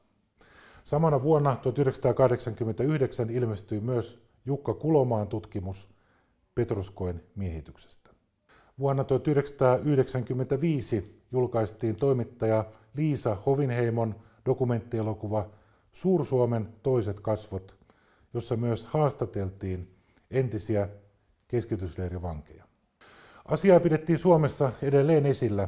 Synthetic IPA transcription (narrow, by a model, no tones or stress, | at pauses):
sɑmɑnɑʋuonːɑt̪uot̪yhyɾesɑt̪ɑːkɑhdeksɑŋkymːent̪æyhde̞ksænilmest̪yjmyøs | jukːɑkulo̞mɑːnt̪ut̪kimus | pe̞t̪rosko̞jnmiehit̪ykse̥st̪æ̥ | ʋuonːɑt̪uot̪yhɾe̞ksɑ̥t̪ɑːyhɾeksæŋkymːent̪æʋiːsijulkɑist̪iːnt̪o̞imit̪ːɑjɑ | liːsɑhoʋinheimon | dokume̞nt̪ːielokuʋɑ | suːrsuoment̪o̞iset̪kɑsʋot̪ | josːɑmyøshɑːst̪ɑt̪elt̪iːn | ent̪isiæ | ke̞skit̪ysleːriʋɑŋkḛjɑ | ʔɑsiɑːpiɾe̞t̪ːiːnsuomesːɑedelːe̞ːne̞silːæ